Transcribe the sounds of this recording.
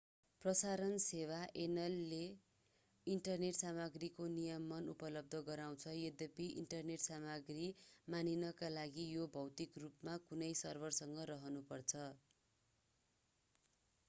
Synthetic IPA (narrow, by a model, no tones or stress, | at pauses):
prʌsaɾʌnsewaʔenʌlːe | iɳʈʌrneʈsamʌɡrikonijʌmʌnupʌlʌb̚d̪ʱʌɡʌɾaw̃t͡sʰʌjed̪epiʔḭɳʈʌrneʈsamʌɡrimaninʌkalaɡijobʱʌwt̪ikrupmakunʌjsʌrbʌrsʌŋɡʌɾʌɦʌnupʌrt͡sʰʌ